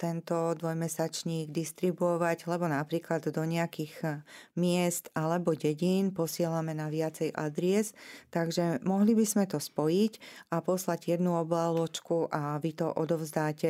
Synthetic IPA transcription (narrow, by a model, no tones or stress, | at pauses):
t̪ɛnt̪ɔd̪ʋɔjmɛsat͡ʃɲiːɡd̪ist̪ɾibuɔʋaɟlɛbɔnapɾiːklad̪ːɔɲɛakiɣmɪɛst̪ʔalɛbɔɟɛɟiːnpɔsɪɛlamɛnaʋɪat͡sɛjʔa̰d̪ɾɪɛst̪aɡʒɛmɔɦlibizmɛt̪ɔspɔjicʔapɔslaɟjɛd̪nuɔblalɔt͡ʃkuʔaʋit̪ɔʔɔd̪ɔʊzd̪aːcɛ